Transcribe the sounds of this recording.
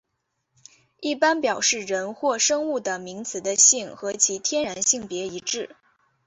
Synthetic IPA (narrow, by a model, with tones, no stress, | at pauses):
i˥˩pa˥npjɑ˨˩ʊʂɻ̩˥˩ɻə˧˥nxwɔ˥˩ʂɤ˥ŋu˥˩d̪ə˩mi˧˥ŋt͡sʰɹ̩˨˩d̪ə˦ɕi˥˩ŋxɤ˧˥t͡ɕʰi˧˥t̪ʰjɛ˥nɻa˧˥nɕi˥˩ŋpjɛ˧˥i˧˥ʈ͡ʂɻ̩˥˩